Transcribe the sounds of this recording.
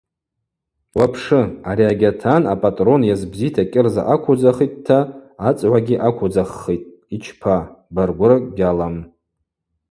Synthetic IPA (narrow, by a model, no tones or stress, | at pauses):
wapʰʂɨaɾiaɡʲatʰanapʼatʼro̞njazbzitʰakʲʼɪrza̰ʔakʷʰud͡zaχit̚ʼtʰːaat͡sʼʕʷaɡʲiʔakʷʰʊd͡zaχːitʼ | it͡ʃʰpʰabarɡʷʊrakʼɡʲalam